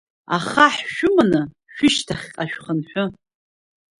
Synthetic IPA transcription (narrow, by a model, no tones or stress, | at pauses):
a̰χaħʃʊmanɨ | ʃᶣʊʃtʰaχʲqʼaʃᶣχənħʷʊ